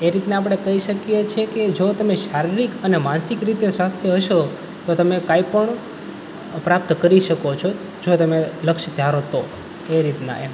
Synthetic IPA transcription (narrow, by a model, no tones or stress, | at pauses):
eɾit̪naap̬ɽ̃ekəɦiʃəkjet͡ʃʰeked͡ʒot̪əmeʃaɾiɾikənemãnsikɾit̪eswast̪ʰjəɦəʃo | t̪ot̪əmekaipəɳ | pɾap̚t̪kəɾiʃəkot͡ʃʰo | d͡ʒot̪əmeləkʃd̪ʱjaɾot̪o | eɾit̪na̰e